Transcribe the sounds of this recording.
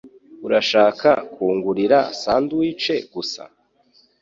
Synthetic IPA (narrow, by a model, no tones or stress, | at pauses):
uɾaʃaːkʰakuːŋɡuɾiɾasaːnduwiːt͡ʃe̞ɡ̥usa̰